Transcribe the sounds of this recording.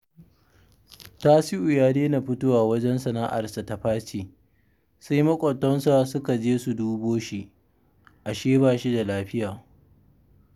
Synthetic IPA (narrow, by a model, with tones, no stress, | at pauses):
taː˦sɪ˦ʔʊ˨jaː˦deː˦na˨ɸʊ˦toː˦waː˨wɐ˦d͡ʒɛ˦nsɐ˨naː˦ʔa̰˨rsa˨ta˨ɸaː˦t͡ʃiː˨ | sa˦jmɐ˦kʷʼɔ˨tːɔ˦nsa˦˨sʊ˦ka˨d͡ʒeː˦su˨duː˦boː˦ʃi˦ | ʔa˨ʃeː˦baː˨ʃi˦da˨laː˦ɸɪ˦jaː˨